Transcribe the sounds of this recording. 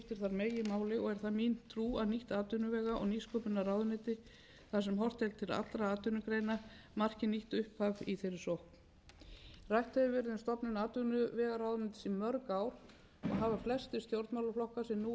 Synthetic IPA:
ft̪ɪɾ̥θaɾmeːjjɪmaːwlɪɔɣɛɾ̥θaðmint̪ʰɾuːaðniht̪aːt̪ʏnʏvɛːɣaʔɔɣniskɔpʏnːaɾawðnɪːt̪ɪ | θasɛmɦɔr̥t̪ɛlt̪ʰːɪla̰t̪ːɾaaːt̪ʏnʏkɾejna | mar̥cɪniht̪ʏhphaviθejɾɪ̥sowhkn̥ | rajht̪œvɪvɛɾðɪnst̪ɔpnʏnaːt̪ʏnʏvɛːɣaɾawðʏnɪːt̪ɪ̥simœɾkawɾ̥ | ɔ̰ɣɦaːvaflɛst̪ɪ̥st̪jowɾt̪mawlʏflɔhkasɪnːu

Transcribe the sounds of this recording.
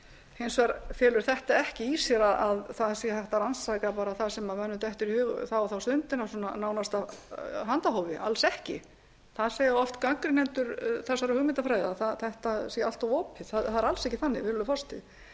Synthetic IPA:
hejnsvaɾfjɛːlʏɾ̥θɛht̪aɛhcɪisjɛɾaðaðθaðsjɛθɛht̪aɾansajkapaːɾaθaðsɛmamɛnːʏt̪ɛht̪ʏɾihʏːɣθawɔθawst̪ʏnt̪ɪnasɔnanaːwnast̪aɦant̪aɦoːwvɪʔa̰lsɛhcɪ̰ | θaðsɛːjɔft̪kaŋkɾɪnɛnt̪ʏɾθɛsːaɾʏhʏɣmɪnt̪afɾajðaθaðθɛht̪asjalt̪awɔːpɪðθaðhaðɾalsɛhcɪθanːɪ̰vɪɾvʏlʏfɔst̪ɪ̰ð

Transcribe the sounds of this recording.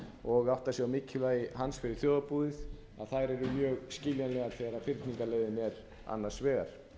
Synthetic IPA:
ɔɣaht̪asjɛɣawmɪcʰːɪlvaːjɪhansfɪɾɪɾ̥θjɔːðapuðɪθ | aðθajɾɛɾʏmjœːɣscɪljanlɛɣaɾθɛːɣaɾafɪɾt̪niŋkalejðɪnɛɾ | a̰nːaɾ̥svɛːɣaɾ̥

